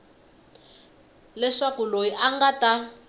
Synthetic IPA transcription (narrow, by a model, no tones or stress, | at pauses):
lɛʂakulojiʔaŋɡata